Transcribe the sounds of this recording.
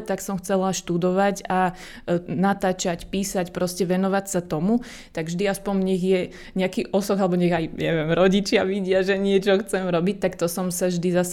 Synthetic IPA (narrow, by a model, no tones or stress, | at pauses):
t̪aksɔmxt͡sɛlaʃt̪ud̪ɔʋaca | nat̪aːt͡ʃacpiːsacpɾɔscɛʋɛnɔʋacsat̪ɔmu | t̪aɡvʒd̪iaspɔɲɲɛɣjɛ | ɲɛakiʔɔsɔɡalɛbɔɲɛɣajja̰ʋɛmɾɔɟit͡ʃɪaʋiɟɪaʒɛɲɪɛt͡ʃɔxt͡sɛmɾɔbic̚t̪akt̪ɔsɔmsaʒd̪izas